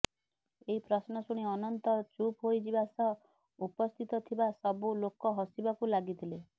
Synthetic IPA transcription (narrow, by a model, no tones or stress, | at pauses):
eɦipɾɔsnɔsuɽ̃iɔnɔnt̪ɔt͡ʃupɦojd͡ʒibasɔ | upɔst̪ʰit̪ɔt̪ʰibasɔbulokɔɦɔsibakulaɡit̪ʰile